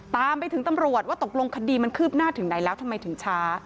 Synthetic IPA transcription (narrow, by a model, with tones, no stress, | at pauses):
t̪aː˧mpa˧jt̪ʰɯ˩˦ŋt̪a˧mɾu˨˩ət̪̚waː˥˩t̪o˨˩k̚lo˧ŋkʰa˧diː˧ma˧nkʰɯː˥˩p̚naː˥˩t̪ʰɯ˩˦ŋna˩˦jlɛː˦˥wt̪ʰa˧mːa˧jt̪ʰɯ˩˦ŋt͡ɕʰaː˦˥